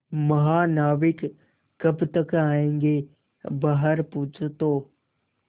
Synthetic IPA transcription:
mɐɦaːnaːʋɪkː | ɐpt̪əkaːẽːŋɡe | baːɦəɾpuːt͡ʃʰt̪oː

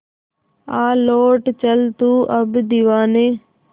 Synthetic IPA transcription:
aːloːʈt͡ʃɐlt̪uːʔɐbd̪iʋaːne

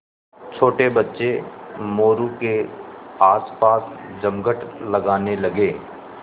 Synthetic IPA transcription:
t͡ʃʰoːʈebɐtːʃemoːɾuke | aːspaːsd͡ʒəmɡəʈʰlɐɡaːnelɐɡeː

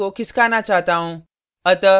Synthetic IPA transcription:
okiskanat͡ɕaɦt̪ãõ | ət̪ə

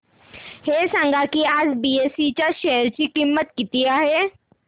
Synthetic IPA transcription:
heːsə̃ŋɡakiaːd͡ʒbiːeːsit͡ʃaʃɛɦəɾt͡ʃikimːət̪kɪt̪ijaɦɛ

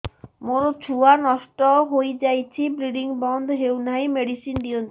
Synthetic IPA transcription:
moɾɔt͡ʃʰuanɔsʈɔɦojd͡ʒajt͡ʃʰibɾiɖiŋbɔnd̪ɦewnaimeɽisind̪iɔnt̪

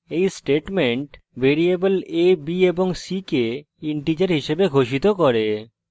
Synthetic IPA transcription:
ejsʈeʈmeɳʈ | beɾiebəlebieboŋsike | iɳʈid͡ʑaɾɦiʃebeɡʱoʃit̪okɔɾe

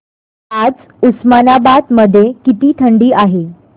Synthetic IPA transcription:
ad͡z | usmanabad̪məd̪ʱːjekit̪iːt̪ʰəɳɖiːʔaɦe

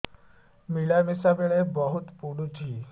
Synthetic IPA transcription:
miɭamisabeɭebɔɦut̪puɽ̃ut͡ʃʰi

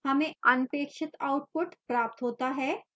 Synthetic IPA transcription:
ɦɐmẽɐnpeːkʃɪt̪aʊʈ̚pʊʈpɾaːp̚t̪ɦoːt̪aɦɛː

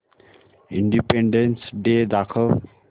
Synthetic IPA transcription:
ḭɳɖipeɳɖensɖed̪akʰʌl

